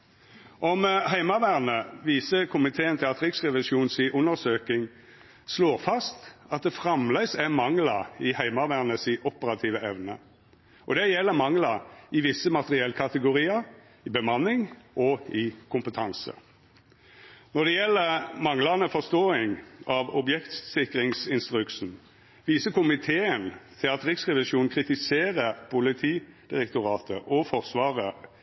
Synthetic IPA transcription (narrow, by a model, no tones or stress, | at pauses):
ʔɔmhæɪmɑʋæʁnəʋiːsəkʰʊmɪt̪ʰeːənt̪ʰɪlɑt̪ɾɪksʁɛʋɪʃuːnsiːʔʊnːəɾsøːkɪŋ | sloːʁfɑst̪ɑt̪̚d̪ɛfʁɑmlɛsæmɑŋlɑɪhæɪmɑʋæʁnəsɪʔɔpəɾɑt̪ʰiːʋəɛʋnə̰ | ʔɔd̪ɛjɛlːəmɑŋlɑɪʋɪsːəmɑt̪əʁɪɛlːkʰɑt̪əɡʊʁiːəɾ | ɪbəmɑnːɪŋʔɔɪkʰʊmpət̪ʰɑnsə̰ | nɔd̪ɛjɛlːəmɑŋlɑnəfɔʁst̪oːɪŋɑʋɔbjɛkt̪sɪkɾɪŋsɪnst̪ʁʉksn̩ | ʋiːsəkʊmɪt̪ʰeːənt̪ʰɪlɑt̪ʁɪksʁɛʋɪʃuːnn̩kʰʁɪt̪ɪseːʁəpʰʊlɪt̪ʰiːd̪̥ɪʁɛk̚t̪ʊʁɑːt̪ʰəʔɔfɔʁsʋɑːʁə